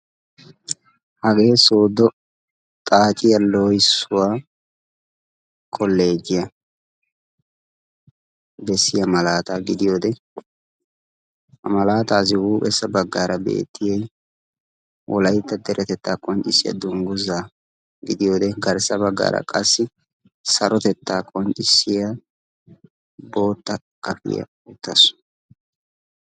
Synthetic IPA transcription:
hɐɡe̞ːsoːd̪ɔ | t̪ʼaːt͡ʃʼɪjɐloːjsːʊwaː | kʰʼɔlːe̞ːd͡ʒɪjɐ | bɛsːɪjɐmɐlaːt̪aːɡɪd̪ɪjo̞ːd̪ɛ | hɐmɐlaːt̪aːs̬ɪwuːpʼɛsːɐbɐɡːaːɾɐbḛːt̪ːɪjɛj | wʔɔ̰lɐjt̪ːɐd̪ɛɾʔɛt̪ɛt̪ːaːkʼɔnt͡ʃʼɪsːɪjɐ̰d̪ʊŋɡʊzaː | ɡɪd̪ɪjo̞ːd̪ɛɡɐɾsɐbɐɡːa̰ːɾɐ̰kʼɐsːɪ | sɐɾɔt̪ɛt̪ːaːkʼɔnt͡ʃʼɪsːɪjɐ | bo̞ːt̪ːɐ | kʼɐfɪ̰jɐ̰ | ʊt̪ːɐsʊ̥

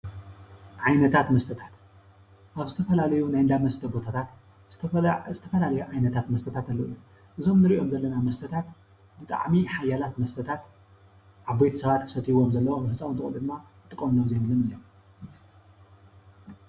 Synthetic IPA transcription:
ʕajnɐt̪ʰat̪mɐst̪ʰɐt̪ʰat̪ | ʔaβzɨt̪ʰɐfɐlalɐjunajɨnd̪amɐst̪ʰɐbo̞t̪ʰat̪ʰat̪ | z̥ɨɐzɨt̪ʰɐfɐlalɐjuʕajnɐt̪ʰat̪mɐst̪ɐt̪ʰat̪alːoɨ̰jːom | ʔɨzo̞mnɨɾiʔo̞mzɐlːɐnamɐst̪ʰɐt̪ʰat̪ | bɨt̪ʼa̰ʕmiħajalat̪mɐst̪ʰɐt̪ʰat̪ | ʕaβbojt̪isɐβat̪kʰɨ̥sɐt̪ʰiβo̞mzɐlːɐwobɨhɨt͡sʼːawnt̪ɨxʼɨlɨd̪ɨmːa | ɨt̪ʼɨkʼomlɐwzejmɨlɨnɨlːom

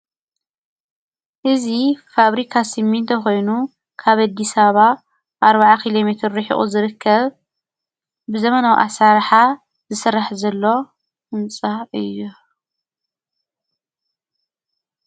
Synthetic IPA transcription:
ʔɨzifaβɾikʰasɨmːint̪ʰɐxo̞jnu | kʰaβad̪ːisaβa | ʔaɾbaʕakʰilo̞met̪ʰɾɾɨħḭʔʼṵzɨɾɨkʰːɐβ | bɨzɐmɐnawḭʔasaɾħa | zɨsɨrːaħzɐlːo̞ | ɨnt͡sʼaɨjːu

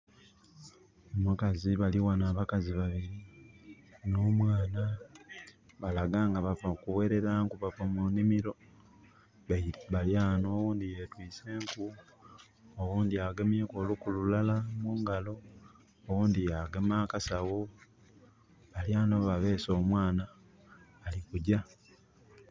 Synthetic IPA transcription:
omukaziβaliwanaːβakaziβaβiɾi | noːmwaːna | βalaɡaːŋɡaβavakuwe̞ɾe̞ɾaːŋkuβafamunimiɾo̞ | βaβaljaːno̞ːwuːnd̪ije̞twiːse̞ːŋku | owuːndiaɡemjeːko̞ːlukuluulalamuːŋɡalo̞ː | wuːndijaɡemaːkasawo̞ | βaljaːno̞βaβe̞ːso̞ːmwaːnaː | likuɟa

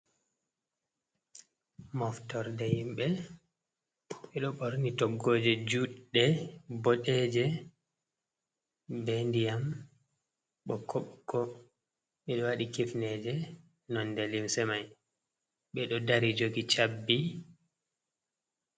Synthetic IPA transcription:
mɔftɔɾdɛhimɓɛ | ɓɛɗɔɓoɾnitɔɡːod͡ʒɛd͡ʒuɗdːɛbɔɗɛd͡ʒɛ | bɛndijam | ɓɔkʰːɔɓkːɔ | ɓɛɗɔwaɗikifnɛd͡ʒɛ | nɔndɛlimsɛmaj | ɓɛɗɔdaɾid͡ʒoɡit͡ʃabːi

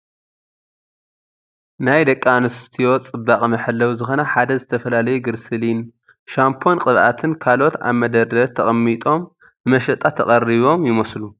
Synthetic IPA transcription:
najd̪ɐkʼːanɨst̪ʰijo̞t͡sʼɨbːaχʼmɐħɨlːɐwuzɨxo̞nɐħad̪ɐzɨt̪ʰɐfɐlalɐjuɡɨɾsɨlin | ʃampʰo̞nqʼɨβʔat̪ʰɨnkʰalo̞t̪a̰βmɐd̪ɐd̪ɐt̪ʰɐχʼɐmːit̪ʼo̞m | nɨmɐʃɐt̪ʼat̪ʰɐχʼɐriβo̞mjɪmɐslu

